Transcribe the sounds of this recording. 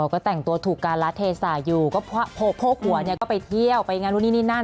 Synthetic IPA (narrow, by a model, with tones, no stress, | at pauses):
ɔː˨˩kɔː˥˩t̪ɛ˨˩ŋt̪u˧ɐt̪ʰuː˨˩kːaː˧nla˦˥t̪ʰːeː˧saː˨˩˦juː˨˩kɔː˥˩pʰa˦˥˩pʰoː˧˩pʰoː˧˥˩k̚ʰu˨˦ɐni˥˩kɔː˥˩pa˧jt̪ʰi˥˩əwpa˧jŋaː˧nɾuː˦˥˩niː˦˥˩niː˥˩na˥˩